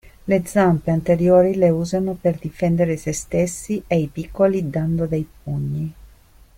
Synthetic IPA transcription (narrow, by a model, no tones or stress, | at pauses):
led̪zampeant̪eɾjoːɾileuːzanoperd̪ifɛnd̪eɾesest̪esːieipikːolid̪and̪od̪ejp̚uɲːi